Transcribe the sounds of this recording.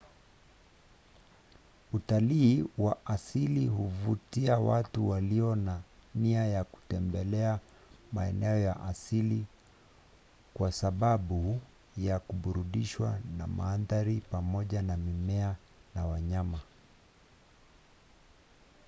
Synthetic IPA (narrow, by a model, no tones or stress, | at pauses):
utaliːwaʔasiliɦuvutiawatuwaliɔnaniajaku̥tɛmbɛlɛa | maɛ̰nɛɔjaʔasili | kwasaɓaɓu | jakuɓuɾuɗiʃwa̰na̰ma̰ːnðaɾipamɔʄanamimɛa | nawaɲama